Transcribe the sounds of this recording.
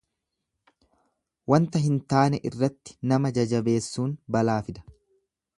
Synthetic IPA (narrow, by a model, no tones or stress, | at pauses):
wɐnt̪ɐɦɪnt̪aːnɛʔɪrːɐt̪ːɪ̥nɐmɐd͡ʒɐd͡ʒɐbe̞ːsːuːnbɐlaːfɪd̪ɐ̥